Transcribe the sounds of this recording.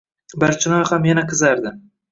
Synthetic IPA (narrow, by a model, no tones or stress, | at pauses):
baɾt͡ʃʰɪnɒjhamjanaqʰɨzaɾd̪ɪ